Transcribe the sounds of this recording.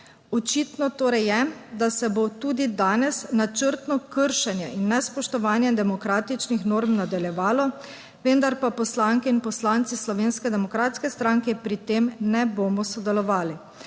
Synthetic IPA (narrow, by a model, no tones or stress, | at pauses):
ɔt͡ʃit̪nɔt̪oːɾɛjːɛd̪asɛbot̪uːd̪id̪aːnɛsnat͡ʃəɾt̪nɔkəɾʃɛnjɛinːɛspɔʃt̪ɔʋaːnjɛd̪ɛmɔkɾaːt̪it͡ʃnixnoːɾmnad̪aljɛʋaːlɔ | ʋənd̪aɾpapɔslaːŋkɛinpɔslaːnt̪sislɔʋeːnskɛd̪ɛmɔkɾaːt̪skɛst̪ɾaːŋkɛpɾit̪eːmnɛboːmɔsɔd̪ɛlɔʋaːli